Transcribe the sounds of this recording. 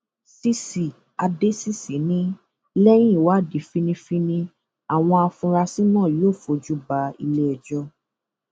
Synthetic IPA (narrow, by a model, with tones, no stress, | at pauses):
si˦si˨ | a˧de˦si˦si˨˦nĩ˦ | lɛ˦j̃ĩ˦˨wa˦˨di˨˦fi˦nĩ˧fi˦nĩ˧ | a˨w̃ɔ̃˧a˧fũ˧ɾa˧si˦nãː˦˨joː˦˨fo˧d͡ʒu˦ba˧i˧le˦ɛ˨d͡ʒɔ˦